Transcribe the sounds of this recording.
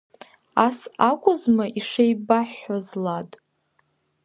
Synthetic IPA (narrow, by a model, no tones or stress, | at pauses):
asakʷʼʊzmaʔiʂejbaħazlatʼ